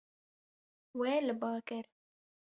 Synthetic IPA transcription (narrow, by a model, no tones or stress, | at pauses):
weːlɨbɑːkɪɾ